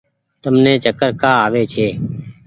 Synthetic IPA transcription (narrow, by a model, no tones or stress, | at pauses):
t̪əmneːt͡ʃəkəɾkaːaːʋeːt͡ʃʰeː